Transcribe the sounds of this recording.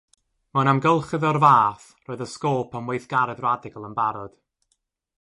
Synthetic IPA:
manamɡəlˠχɨðɔrvaːθ | roːɨðəskoːpʰamwejθɡ̥aɾɛdradɪɡəlˠənbaɾɔd̥

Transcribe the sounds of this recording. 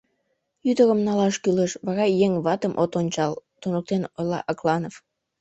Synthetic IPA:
jyd̪əɾəmnɑlɑʃkyleʃβɑɣɑjeŋβɑt̪əmʔot̪onʲt͡ɕɑlt̪unək̚t̪enojlɑ̰ʔɑklɑnov

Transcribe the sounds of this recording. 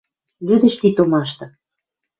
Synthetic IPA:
lyd̪ə̆ʃkit̪omɑʃt̪ɤ̆

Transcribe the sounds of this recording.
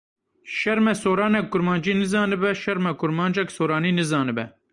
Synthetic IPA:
ʃɛɾmɛsoːɾɑːnɛk̚ɡʊɾmɑːnd͡ʒiːnɨzɑːnɨbɛʃɛɾmɛkʊɾmɑːnd͡ʒɛksoːɾɑːniːnɨzɑːnɨbɛ

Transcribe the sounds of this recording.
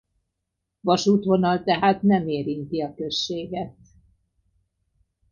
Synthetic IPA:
vɒʃuːt̪ʋo̞nɒlt̪ɛɦaːt̪nɛmeːɾint̪iɒkø̞ʃːeːɡɛt̪

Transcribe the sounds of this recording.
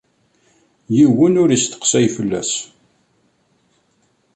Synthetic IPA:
jiwːənʊɾist̪ə̥qsæjfəlːæ̰s

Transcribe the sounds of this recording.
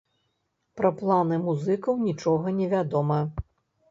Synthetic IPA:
pɾɐplˠanɨmuzɨkɐwnʲit͡ʂɔɣɐnʲɛvʲad̪ɔmɐ

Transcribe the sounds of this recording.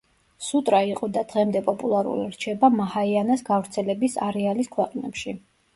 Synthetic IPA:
sut̪ʼɾaiqʼɔd̪ad̪̥ʁɛmd̪ɛpʼɔpʼulˠaɾṵlḭɾt͡ʃʰɛbamahaianasɡavɾt̪sʰɛlɛbisaɾɛaliskʰwɛqʼnɛ̰pʃi

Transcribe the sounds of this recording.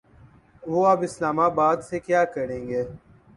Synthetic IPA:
ʋoːaːbɪslaːmaːbaːd̪sekjaːkəɾẽːŋɡeː

